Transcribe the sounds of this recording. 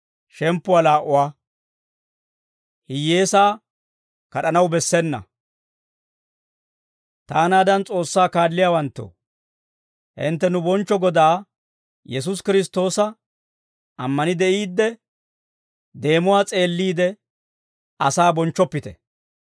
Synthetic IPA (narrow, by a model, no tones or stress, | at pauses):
ʃɛmpːʊwaːlaːʔʊwaː | hɪje̞ːsaː | kɐɗɐnɐwbɛsːɛnːɐ̰ | t̪aːnaːd̪ɐnt͡sʼo̞ːsːaːkaːdːɪjaːwɐnt̪ːo̰ː | ʔɪ̰nt̪ːɛnʊbɔnt͡ʃːɔɡɔd̪aː | jɛs̬ʊs̬kɪɾɪs̬t̪o̞ːsɐ | ʔɐmːɐnɪd̪ɛʔiːd̪ːɛ | d̪e̞ːmʊwaːt͡sʼe̞ːlːiːd̪ɛ | ɐsaːbɔnt͡ʃːɔpːɪt̪ɛ